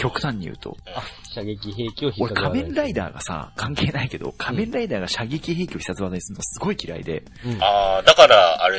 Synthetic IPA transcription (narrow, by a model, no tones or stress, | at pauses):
kʲo̞kɯ̟̥t̪ãɲ̟ːḭjɯ̟̰ːt̪ʰo̞̰ | eo̞ɾekʰamẽ̞nɾaid̪a̰ːɡa̰sa̰kʰãŋke̞ːnaike̞d̪o̞̰kʰamẽ̞nɾaid̪aːɡaɕaɡʲekʲiɦe̞ːkʲio̞çi̥sat͡sɨβad̪oɲ̟isɨɾɯnoasɨɡo̞ikʲiɾa̰ḭd̪e̞̰ | aːd̪akaɾaaɾe